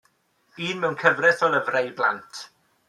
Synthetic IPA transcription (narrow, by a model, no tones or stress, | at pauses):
iːnmɛwnkʰəvrɛθɔləvrejblˠa̰ntʰ